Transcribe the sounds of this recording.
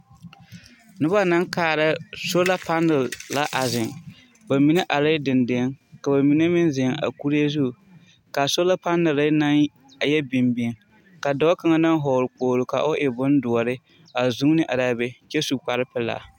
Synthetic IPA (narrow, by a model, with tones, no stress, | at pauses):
nʊ˦ba˦na˦ŋkaː˨ɾa˦so˦la˦pa˦nːɪ˨la˦ʔa˨zɪ˨ŋ | ba˨mi˨˦ne˦ʔa˨lɪ˦dɪ˨ndɪ˨˦ŋka˨ba˨mi˨ne˦mɪ˦nzɪ˨ŋa̰˨ku˦ɾe˦zu˦˨ | ka˨so˦la˦pa˦nːɨ˨la˦na˦n˨ | jɛ˦bɪ˨mbi˨˦ŋ | ka˨dɔ˦ka˦ŋa˦na˦ŋ˦ɦɔ˨ɾʊ˨k͡poː˨ɾʊ˨ka˨ʔʊ˦ʔɪ˨bʊ˦n˦dʊ˨ɔ˨ɾɪ˦ | a˨zu˦ŋ˦nɪ˦ʔa˨daː˦bɛ˦kɛ˦su˨k͡pa˨ɾɪ˦pɪ˦la̰˨